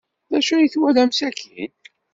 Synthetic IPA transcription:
ðæʃujiθwælæmsækʰi

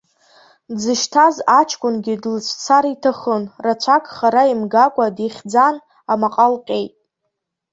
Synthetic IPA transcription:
d͡zɨʃtʰazat͡ʃʰkʷʰʼʊnɡʲɪdlt͡ʃʷʰt͡sʰaɾitʰaχənrat͡ʃʷʰakʼχaɾaimɡakʷʼadiχʲd͡zan | amaqʼalqʲʼe̞jtʼ

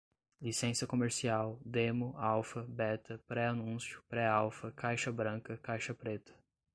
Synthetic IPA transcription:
lisẽsɐkomeɾsiawd̪ẽmʊawfɐbɛt̪ɐpɾɛanũsjʊpɾɛawfɐkajʃɐbɾɐ̃kɐkajʃɐpɾet̪ɐ̥

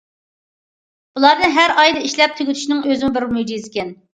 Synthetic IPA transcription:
b̥ulˠɑɾnɨɦæɾɑjd̪ɨiʃlɛp̚t̪ʰyɡʲyt̪ʰy̥ʃinɪŋøzɪmʊbɪɾmujd͡ʒijzɪkʲɛn

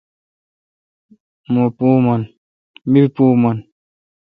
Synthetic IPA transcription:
mopumɔn | miɾpuːmɔn

